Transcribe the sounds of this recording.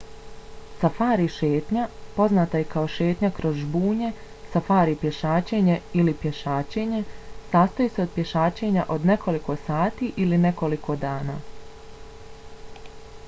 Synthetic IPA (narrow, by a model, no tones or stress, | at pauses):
safaːɾiʃeːt̪ɲapo̞znaːt̪ajekaoʃe̞ːt̪ɲakɾo̞zbuːɲe̞ | safaːɾipje̞ʃaːt͡ɕe̞ɲe̞ilipje̞ʃaːt͡ɕe̞ːɲe̞saːst̪ojiseo̞d̪̚pje̞ʃaːt͡ɕe̞ɲaʔo̞d̪ne̞kʰo̞liko̞saːt̪iʔiline̞ko̞likʰo̞d̪aːna̰ː